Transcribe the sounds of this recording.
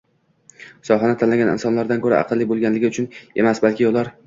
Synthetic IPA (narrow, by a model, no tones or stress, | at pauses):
sɒɦanɪt̪ʰanlaɡʲanɪ̰nsɒnlaɾd̪ankʰɵɾa̰ʔɑ̰qʰɨlːɪbolˠɡʲanlɪɡʲɪʊt͡ʃʰʊne̞masbalkʲʰɪolˠaɾ